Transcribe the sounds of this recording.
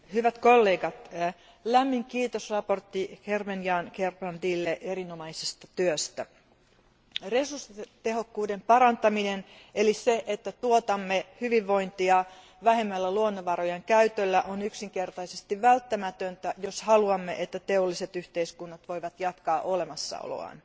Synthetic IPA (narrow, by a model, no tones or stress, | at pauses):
hyʋæt̪kolːe̞ːɡɑt̪ | læmːiŋkiːt̪osrɑpo̞rt̪ːihermenjɑːnkerpɑnd̪iːlːeʔeɾinomɑisest̪ɑt̪yøst̪æ | resurst̪ehokːuːdempɑɾɑnt̪ɑminen | eliseʔet̪ːæt̪uot̪ɑmːehyʋiʋːo̞int̪iɑ | ʋæhemːælːæluonːoʋɑrojɑŋkæyt̪ølːæʔonyksiŋkert̪ɑisest̪iʋʋælt̪ːæmæt̪ønt̪æjoshɑluɑmːeʔet̪ːæt̪eolːiset̪yht̪eiskunːɑt̪ʋo̞iʋɑt̪jɑt̪kɑːʔo̞lemɑsːɑ̰o̰lo̰ɑ̰n